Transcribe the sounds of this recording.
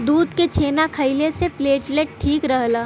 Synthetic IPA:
d̪uːd̪ket͡ʃʰeːnakʰəɪlesepleːʈleʈ̚ʈʰːiːkɾɐɦlaː

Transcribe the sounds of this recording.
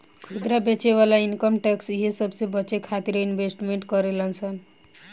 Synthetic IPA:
kʰud̪ɾabet͡ʃeβalainkʌmʈeksiɦesʌbsẽbʌt͡ʃekʰat̪iɾinbʱesʈmeɳʈkʌɾelʌnt͡sʰʌn

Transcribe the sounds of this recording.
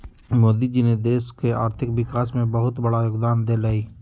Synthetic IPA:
moːd̪id͡ʒined̪eːskea̰ːɾt̪ʰɪkʋɪkaːsmẽbəɦʊt̪bəɽajoːɡd̪aːnd̪elaːiː

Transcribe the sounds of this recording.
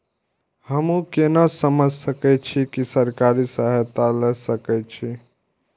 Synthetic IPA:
həmũkenasəməd͡ʒʱsəkɛt͡ʃʰikisəɾkaɾisaɦt̪alɛsəkɛt͡ʃʰi

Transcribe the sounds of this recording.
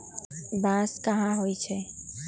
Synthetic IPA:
bãːskəɦãɦoit͡ʃʰɛ

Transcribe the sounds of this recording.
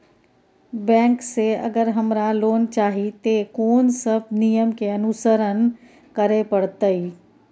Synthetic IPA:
bɛ̃ːŋkseə̰ɡəɾɦəmɾaloːnt͡ʃaːɦit̪ekoːnsəb̚ʱnijəmkeənusəɾən | kəɾepəɽt̪əi

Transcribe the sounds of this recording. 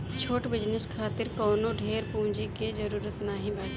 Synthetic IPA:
t͡ʃʰoːʈbɪd͡ʒnəskʰaːt̪ɪɾkɔːnoɖʱeːɾpũːd͡ʒiked͡ʒɐɾuːɾət̪naɦĩbaːt̪

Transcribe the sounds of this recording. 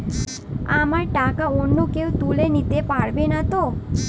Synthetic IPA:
amaɾʈakaonːukewt̪ulenit̪epaɽbenat̪o

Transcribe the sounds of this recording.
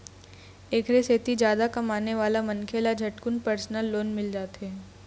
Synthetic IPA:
eːkʰɾeset̪id͡ʒjaːd̪akɐmaːneʋaːlamɐnkʰelad͡ʒʱɐʈkʊnpɐɾsnəlːoːnmɪld͡ʒaːt̪ɦɛː

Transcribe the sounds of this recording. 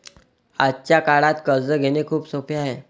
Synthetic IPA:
a̰t͡ɕjakaɽat̪kəɾd͡zəɡʱenekʰuːpsopʰjaaɦe

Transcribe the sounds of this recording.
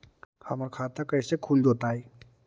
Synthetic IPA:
həmaɾkʰat̪akəjsekʰuld͡ʒot̪aɦe

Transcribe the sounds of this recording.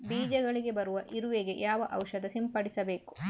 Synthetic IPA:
biːd͡ʒɐɡɐɭiɡe̞bɐɾuʋɐʔiɾuʋeɡe̞̰jaːʋɐʔɐwʃɐd̪ɐsimpɐɽisɐbe̞ːku̥

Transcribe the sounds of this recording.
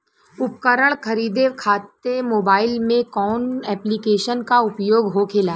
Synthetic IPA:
ʊp̚kəɾəɽ̃kʰɐɾiːd̪ekʰaːt̪ːemoːbaːɪlmẽkɔːnɛːplikeːʃənkaʊpjoːɡɦokʰeːlaː

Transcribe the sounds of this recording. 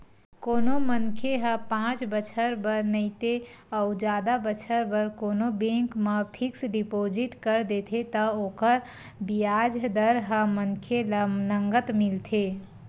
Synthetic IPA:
koːnoməŋkʰeɦəpãːt͡ʃbət͡ʃʰəɾbəɾnəit̪eɔʊd͡ʒaːd̪abət͡ʃʰəɾbəɾkoːnobẽːŋkmepʰɪksɖipoːd͡ʒɪʈkəɾd̪eːt̪ʰet̪əoːkəɾ | bijaːd͡ʒd̪əɾɦəməŋkʰelləŋɡət̪mɪlt̪ʰeː

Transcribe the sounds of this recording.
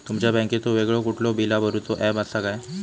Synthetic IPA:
t̪umt͡ɕjabɛ̃ŋket̪oʋeɡɭɔkuʈʰlɔbilabəɾut̪oʔɛbasakaj

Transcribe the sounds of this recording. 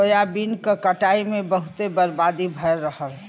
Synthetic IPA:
əjabinkakəʈaːimẽbəɦʊt̪ebəɾbaːd̪ibʱəɾːəɦəl

